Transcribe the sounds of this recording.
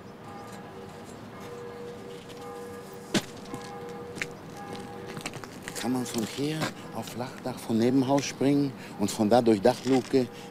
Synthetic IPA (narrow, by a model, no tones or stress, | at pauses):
kʰanmanfɔnkʰeːɐ | ʔaʊflaχd̥aχfɔnnːeːbm̩ɦaʊsʃpʁ̥ɪŋən | ʊntfɔndaːdʊɐçd̥aχluːkə